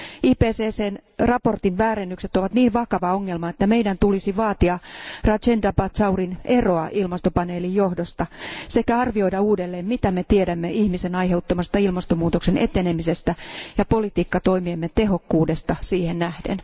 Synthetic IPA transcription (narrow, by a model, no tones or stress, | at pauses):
iːpeːseːseːnrɑpo̞rt̪inʋæːɾenːykse̞t̪oʋɑt̪niːnʋɑkɑʋɑoŋːelmɑet̪ːæme̞jdænt̪ulisiʋɑːt̪iɑrɑt͡ʃend̪ɑpɑt̪sɑurine̞ro̞ɑʔilmɑst̪opɑne̞ːlijjohdost̪ɑsekæɑrʋio̞jdɑuːdelːe̞ːmmit̪æme̞t̪iedæmːeʔihmisenɑjɦe̞ut̪ːomɑst̪ɑilmɑst̪omuːt̪okse̞nʔe̞t̪ene̞mise̞st̪æjɑpo̞lit̪iːkːɑt̪o̞imiemːet̪e̞ɦo̞kːuːdest̪ɑsiːhennæhdḛn